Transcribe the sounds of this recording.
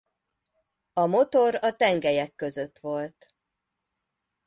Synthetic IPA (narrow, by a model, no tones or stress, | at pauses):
ɒmo̞t̪o̞ɾɒt̪ɛŋɡɛjɛkːø̞zø̞t̪ʋo̞lt̪